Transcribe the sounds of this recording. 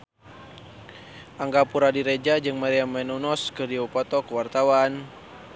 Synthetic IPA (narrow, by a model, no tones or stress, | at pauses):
ʔaŋɡapuɾadiɾɛd͡ʒad͡ʒɨŋmaɾiamɛnunɔskɨrdiupɔt̪ɔkuwart̪awan